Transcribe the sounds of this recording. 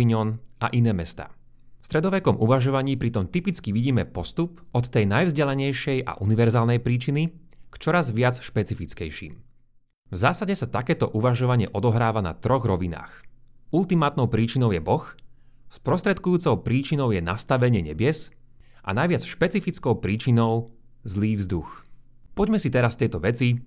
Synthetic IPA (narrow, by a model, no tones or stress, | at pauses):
iɲɔna̰ʔinɛːmɛst̪a̰ː | fst̪ɾɛd̪ɔʋɛkɔmʔuʋaʒɔʋaɲiːpɾit̪ɔmt̪ipit͡skiʋiɟiːmɛpɔst̪upɔt̪ːɛjnajvzɟɛlɛɲɛjʃɪɛjʔa̰ʔuniʋɛɾzaːlnɛjpɾiːt͡ʃinikt͡ʃɔɾazʋɪat͡sʃpɛt͡sifit͡skɛjʃḭːm | vzaːsaɟɛsat̪akɛːt̪ɔʔuʋaʒɔʋaɲɪɛʔɔd̪ɔɦɾaːʋana̰t̪ɾɔɣɾɔʋina̰ːxulˠt̪imaːt̪nɔʊpɾiːt͡ʃinɔʊjɛbɔx | spɾɔst̪ɾɛt̪kujuːt͡sɔʊpɾiːt͡ʃinɔʊjɛnast̪aʋɛɲɪɛɲɛbɪɛsʔa̰najʋɪat͡sʃpɛt͡sifit͡skɔʊpɾiːt͡ʃinɔʊzliːvzd̪ux | pɔɟmɛsit̪ɛɾast̪jɛjt̪ɔʋɛt͡si